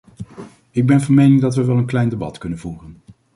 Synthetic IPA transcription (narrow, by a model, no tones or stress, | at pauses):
ɪɡ̚bɛnvɑnmejnɪŋdɑtʋəʋɛlˠənklɛjndebɑ̰tkɵnənvuːrən